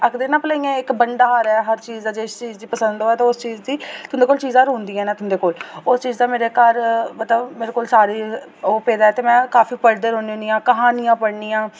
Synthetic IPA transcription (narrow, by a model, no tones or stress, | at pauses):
əkd̪eːnãːpəlaːiːãːɪkbəɳɖaːɦəɾɛːɦəɾt͡ʃiːzd̪aːd͡ʒeːɪst͡ʃiːzd̪iːpəsənd̪ɦoːɛːt̪aːʊst͡ʃiːzd̪iːt̪ʊnd̪eːkoːlt͡ʃiːzãːɾõːnd̪iːɛ̃ːnãːt̪ʊnd̪eːkoːlʊst͡ʃiːzd̪aːmeːɾeːkəɾmət̪ləbmeːɾekoːlsaːɾiːoːpeːd̪aːɛːt̪eːmɛ̃ːkaːfiːpəɾd̪əɾɦõːnioːnijãːkəɦaːnɪjãːpəɽniːãː